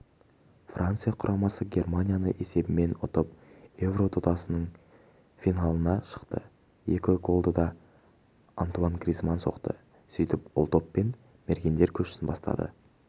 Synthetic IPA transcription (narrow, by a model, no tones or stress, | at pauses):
frʔant̪sɨjaqʰʊɾʔɑmɑsəɡʲe̞rmanʲijanəʔe̞se̞bɪme̞nʊt̪əp̚e̞vro̞t̪ʰʊd̪ɑsənəɴ | fʲinalˠənɑʃə̥qt̪ə̰ | jekʲɪɡo̞lˠd̪əd̪ɑ | ant̪uanɡrizmanso̞̰qt̪ə̰ | sijt̪ɪpʊ̰lˠt̪o̞pːe̞n | meɾɡʲe̞nd̪e̞ɾkʲʰɵʃɪ̥sɪnbɑst̪ɑ̰d̪ə̰